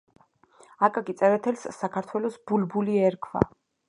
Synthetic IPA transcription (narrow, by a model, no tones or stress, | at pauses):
akʼakʼit̪sʼɛvɛt̪ʰɛlsːakʰaɾt̪ʰwɛlɔsbulbuliɛɾkʰva̰